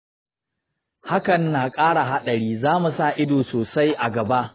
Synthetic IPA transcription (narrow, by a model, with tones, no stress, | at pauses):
ha˦kɐ˨nːaː˨kʼaː˦ɽa˨ɦa˦ɗɐ˨ɾiː˦zaː˦mu˨sa˦˨ʔɪ˦doː˨soː˨sa˦jʔa˨ɡɐ˨ba˦ʔ